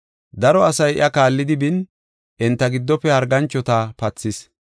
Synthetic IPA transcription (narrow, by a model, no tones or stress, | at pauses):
d̪ɐɾɔɐsɐjʔɐkaːlːɪd̪ɪbɪn | ʔɪnt̪ːɐɡɪd̪ːɔpːɛhɐɾɡɐnt͡ʃːɔt̪aːpɐt͡sːɪs